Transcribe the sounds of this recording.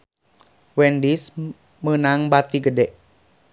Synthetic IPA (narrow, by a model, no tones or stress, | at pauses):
wɛndis | mənaŋbat̪iɡədɛʔ